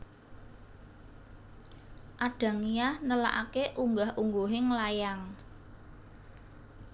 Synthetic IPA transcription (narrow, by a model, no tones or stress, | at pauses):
ʔaɖ̥a̤ŋijahnəla̰ʔakeʔuŋɡahʔuŋɡoɦɪŋlajaŋ